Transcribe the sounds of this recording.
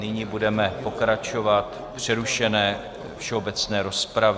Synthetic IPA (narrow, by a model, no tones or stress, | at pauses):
nɪɲibudɛmɛpo̞kɾat͡ʃo̞vat̪ | pr̝̥ɛɾuʃɛnɛː | fʃɛobɛt͡snɛːɾo̞spɾav